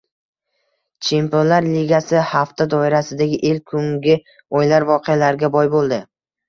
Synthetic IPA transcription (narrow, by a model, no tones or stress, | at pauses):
t͡ʃʰemponlaɾliɡʲasɪhaft̪ʰad̪ɒɪɾasɪd̪aɡʲɪʔelkʰʊŋɡʲɪ | ojlaɾvɒqʰejalaɾɪɡʲabɒjbolˠd̪ɪ